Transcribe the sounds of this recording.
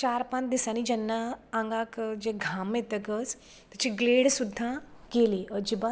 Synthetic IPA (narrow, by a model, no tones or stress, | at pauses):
t͡ɕaːɾpãd̪isañid͡ʑɐnːãːŋɡakd͡ʑeɡʱamet̪əkəs | t̪ɐt͡ɕiɡleːɽsud̪ʱːãkeliʔəd͡ʑiba